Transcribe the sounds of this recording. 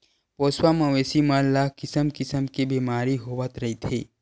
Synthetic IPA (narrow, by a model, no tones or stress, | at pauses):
poːswamɐ̃ʋeːsimalakɪsəmkɪsəmkebiːmaːɾiɦoːʋət̪ɾɐɦit̪ʰḛː